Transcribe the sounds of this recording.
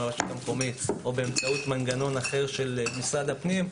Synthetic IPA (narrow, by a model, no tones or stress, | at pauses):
aʁaʃu̥t̪ameko̞mit̪obeːmt͡saut̪manɡano̞naχe̞ʁʃe̞lmisʁad̪apnim